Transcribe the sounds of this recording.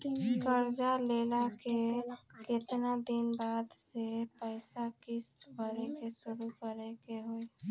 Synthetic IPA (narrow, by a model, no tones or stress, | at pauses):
kəɾd͡ʒaleːlake | kɪt̪nad̪ɪnbaːd̪sepəɪsakɪs | bəɾekesʊɾukəɾekeɦoi